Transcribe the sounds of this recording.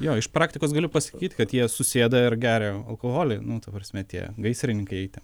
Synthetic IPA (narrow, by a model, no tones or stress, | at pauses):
joːɪʃpɾɑːkt̪ʲɪkoːs̬ɡɐlʲʊpɐsɐ̥kʲiːt̪ʲkɐt̪jiɛsʊsʲeːd̪ɐɪɾɡʲæːɾʲɛɐlˠkoːɣoːlʲɛɪnʊt̪ɐpɾɐsʲmʲɛt̪ʲiɛɡɐɪsʲɾʲɪnʲɪŋkɐɪɛɪt̪ʲɛ